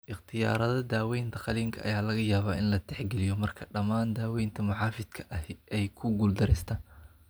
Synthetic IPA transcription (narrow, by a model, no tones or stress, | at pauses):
ʔɪχt̪ʰɪja̰ːɾɐðɐd̪aːwɛjnt̪ɐqɑliːŋkʰɐʔɐ̰jaːlɐɣɐjaːβaːʔɪnlɐt̪ʰɛħɡɛlɪjɔmɐrkʰɐɖɐmaːnd̪aːwɛjnt̪ʰɐmʊħɑːfɪd̪kʰɐ̥ʔɐhʔɛjkʰʊɡuːld̪ɐɾɛjst̪ʰaːn